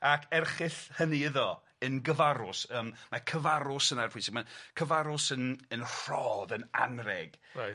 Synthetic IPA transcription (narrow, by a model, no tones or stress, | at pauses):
akʰɛrχɪθhəniɪðɔ | ənɡəvaɾʊsəːmmakʰəvaɾʊsənarpʰʊsɪɡ̚makʰəvaɾʊsənənr̥ɔðəna̰nrɛɡ̥a